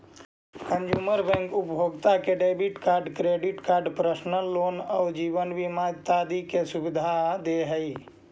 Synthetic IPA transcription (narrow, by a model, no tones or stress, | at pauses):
kə̃nd͡ʒuːməɾbɛ̃ŋkʊpjʱoːɡt̪akeɖeɪbiʈkaːɾɖkɾeːɖɪʈkaːɾɖpɾəʃnəloːnəd͡ʒiːʋənʋimad͡ʒt̪ad̪ikesʊbɪd̪ʱad̪eɦəi